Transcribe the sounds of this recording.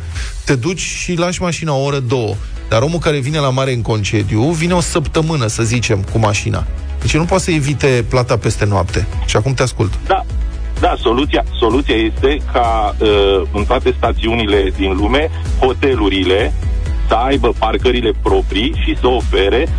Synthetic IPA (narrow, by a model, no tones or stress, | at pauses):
t̪e̞d̪ut͡ʃʲʃilaʃmaʃinaooɾəd̪o̞wə | d̪̥aɾo̞mulkaɾe̞vine̞lamaɾe̞ɨŋko̞nt͡ʃe̞d̪ijuvine̞o̞səpt̪əmɨnəsəzit͡ʃe̞mkumaʃina̰ | d̪et͡ʃjenupoat̪səevit̪e̞plat̪ape̞st̪e̞noapt̪e̞ʃiakumt̪easkult̪d̪a | d̪aso̞lut̪sijaso̞lut̪sijaje̞st̪e̞kʰaəɨnt̪oat̪e̞st̪at̪siunile̞d̪inlume̞ | ho̞t̪e̞luɾile̞ | səajbəparkəɾile̞pɾo̞pɾiʃisəofe̞ɾe̞